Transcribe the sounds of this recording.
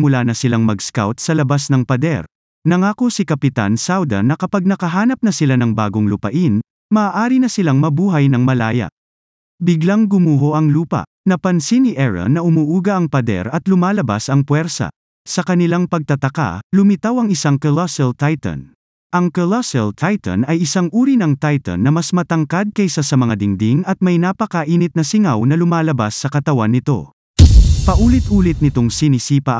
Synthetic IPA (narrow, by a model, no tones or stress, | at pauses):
mʊlaːnɐsɪlaŋmɐɡska̰wt̪̚sɐlɐbasnɐŋpɐd̪ɛ̰ɾ | nɐŋaːkosɪkɐpɪt̪a̰nsawd̪ɐ̰nːɐkɐpaɡ̚nɐkɐɦaːnɐp̚nɐsɪlanɐŋba̰ːɡoŋlʊpɐ̰ʔin | mɐaːʔaːɾinɐsɪlaŋmɐbuːɦɐjnɐŋmɐlaːjɐ̰ʔ | bɪɡlaŋɡʊmuːɦoʔɐŋluːpɐ̰ | nɐpɐnsiniʔɛɹɐ̰nːɐʔʊmuːʔuːɡɐʔɐŋpɐd̪ɛ̰ɾɐt̪lʊmaːlɐba̰sɐŋpwɛɾsɐ̰ | sɐkɐnɪlaŋpɐɡ̚t̪ɐt̪ɐka̰lʊmɪt̪awɐŋɪsaŋkolasɛlt̪ajt̪ɐ̰n | ʔɐŋkolasɛlt̪ʰajt̪ɐ̰nɐjɪsaŋʔuːɾinɐŋt̪ajt̪ɐ̰nːɐmasmɐt̪ɐŋkad̪̚kɐjsasɐmɐŋad̪ɪŋd̪iŋɐt̪̚mɐjnapɐkaʔiːnɪt̪̚nɐsɪŋawnɐlʊmaːlɐbasːɐkɐt̪ɐwanːɪt̪o̞̰ | pɐʔuːlɪt̪̚ʔuːlɪt̪̚nɪt̪oŋsinɪsiːpɐ